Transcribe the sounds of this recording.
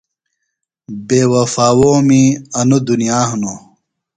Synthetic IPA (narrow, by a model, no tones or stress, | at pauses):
beːwɐfaːwoːmiɐnud̪unijaːhno